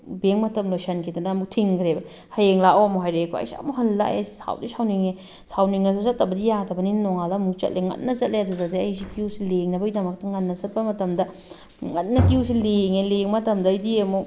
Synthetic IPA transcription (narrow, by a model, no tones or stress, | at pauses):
beŋmɐtɐmlojsɐnkʰidɐnɐːmuk̚tʰiŋɡʰɾebɐ | hɐjeŋlaoɐmuɦajɾekʰoɐ̰jsiɐ̰muɦɐlːa̰ḛssa̰wdisawniŋe | sawniŋesosɐt̚ːɐbɐdijadɐbɐninnoŋalɐːmukt͡ʃɐ̰t̚lʔeŋɐ̰nːɐsɐt̚lʔejaduzadeɐjs̬ikiusileŋnɐbɐɡidɐmɐk̚tɐŋɐnːɐsɐt̚pɐmɐtɐmdɐ | ŋɐt̚nɐkius̬ileŋeleŋmɐtɐmdɐidiemu